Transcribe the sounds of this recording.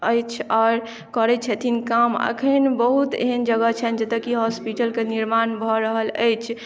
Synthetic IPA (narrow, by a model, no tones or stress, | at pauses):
əjt͡ʃʰɔːɾ | kəɾɛt͡ʃʰɛt̪ʰinkamə̰kʰənbəɦut̪ḛɦənd͡ʒəɡət͡ʃʰɛnd͡ʒət̪əkiɦɔspiʈəlkeniɾmanbʱɔɾəɦələ̰jt͡ʃʰ